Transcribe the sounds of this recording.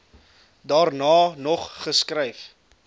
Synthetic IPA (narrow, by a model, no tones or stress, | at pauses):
dɑːrnɑːnɔχχəskrɛjf